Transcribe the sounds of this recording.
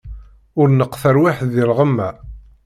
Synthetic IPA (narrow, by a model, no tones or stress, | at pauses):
ʊɾnəqːθəɾwaħðilʁəmːæ